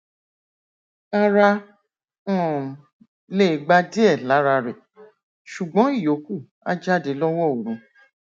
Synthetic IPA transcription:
a˧ɾa˧ | ɔ̃˦˨ | le˦˨ɡ͡ba˧di˦ɛ˦˨la˨˦ɾa˧ɾɛ˨ | ʃu˨ɡ͡bɔ̃˨˦i˦˨jo˨˦ku˦˨ | a̰˦d͡ʒa˦˨de˨˦lɔ˦wɔ˦˨o˨ɾ̃ũ˨˧˦

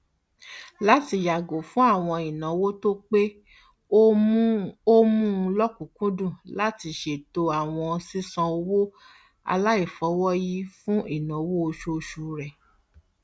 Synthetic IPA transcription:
la˦ti˧ja˨ɡo˨fũ˦a˦˨w̃ɔ̃˧i˨nã˨˦wo˦to˦k͡pe˦ | o˦mũ˦˧lɔ˦kũ˨kũ˦dũ˦˨la˦ti˧ʃe˨to˧a˨w̃ɔ̃˧si˦sã˧o˧wo˦ | a̰˧la˦i˦˨fɔ˨˦wɔ˦ji˦fũ˦ʔi˦˨nã˨˦wo˦o˧ʃo˦˧ʃu˨˦ɾɛ˨

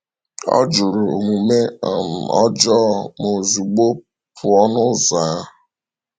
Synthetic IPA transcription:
ɔ̰˦d͡ʒʊ˨ɾʊ˨ŋu˨me˦a˨m̩˨ɔ˦d͡ʒɔ˦mo˨zu˨ɡ͡bo˦ | pʰʊ˨ɔ˦nʊ˦za˨˦

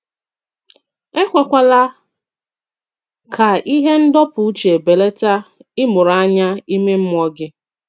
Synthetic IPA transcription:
e˦kʷa˨kʷa˦la˦ | kʰa˨i˦ɦe˦n̩˦dɔ˦pʊ˨u˦t͡ʃe˨be˨le˦ta˦ɪ˦mʊ˨ɾa˦ɲa˦i˦me˦m̩˦m˦ɔ˦ɡɪ˦

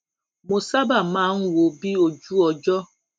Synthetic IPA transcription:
mo˨sa˦ba˨ma˦ŋ̩˦wo˨bi˦o˨d͡ʒu˦ɔ˨d͡ʒɔ˦

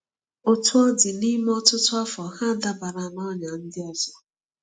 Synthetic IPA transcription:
o˦tʊ˦ɔ˦dɪ˨ni˦m˦ɔ˦tʊ˦tʊ˦a˦fɔ˨ha˦˨da˦ba˨ɾa˨nɔ˦ɲa˨n̩˦dɪ˦ɔ˦zɔ˨

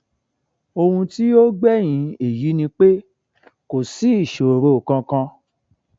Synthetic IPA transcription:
o˧hũ˧ti˦o˦ɡ͡bɛ˦j̃ĩ˧˦e˨ji˨˦nĩ˧k͡pe˦ | ko˨si˦i˦˨ʃo˨ɾo˧˨kã˧kã˧

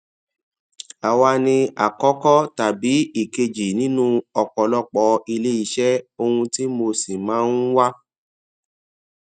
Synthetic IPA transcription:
a˨wa˧nĩ˧a̰˨kɔ˨˦kɔ˦ta˨bi˨˦i˨ke˧d͡ʒi˨nĩ˦nũ˦ɔ˨k͡pɔ˧lɔ˦k͡pɔ˧i˧le˦i˦˧˦ʃɛ˦o˧hũ˧ti˦mo˧si˨mãː˨˦n˦wa˦

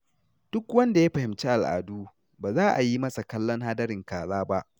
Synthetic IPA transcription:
d̥ʊ˦kwɐ˦nda˨ja˦ɸɐ˨hɪ˨mt͡ʃeː˦ʔa˨lʔa̰ː˨duː˦ | baː˨zaː˦ʔa˨ji˦mɐ˦sa˨kɐ˦lːɔ˦ŋɦaː˦dɐ˦ɾɪ˨ŋkaː˨zaː˦ba˦ʔ

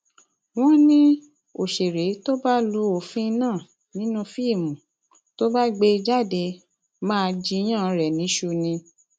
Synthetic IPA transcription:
w̃ɔ̃˦nĩ˦ | o˨ʃe˨ɾe˨˦to˦ba˦lu˧o˨fĩ˦˧nãː˦˨ | nĩ˦nũ˦fi˦˨mũ˨ | to˦ba˦ɡ͡be˧i˧d͡ʒa˦˨de˧ | mãː˦˧d͡ʒi˧˦j̃ã˦˨ɾɛ˨nĩ˨˦ʃu˧nĩ˧

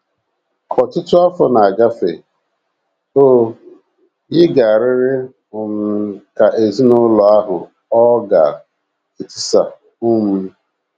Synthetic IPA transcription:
kɔ˨tʊ˦tʊ˦ɔ˦fɔ˨na˨a˨ɡa˦fe˨ | oː˦ | ɪ˦ɡa˨a˨ɾɪ˦ɾɪ˦ | ʊ˨m̩˨ka˨ʔe˨zi˦nʊ˦lɔ˨a˦ɦʊ˨ | ɔ˦ɡa̰˨ | ɪ˨ti˦sa˨ | ʊ˦mu˦

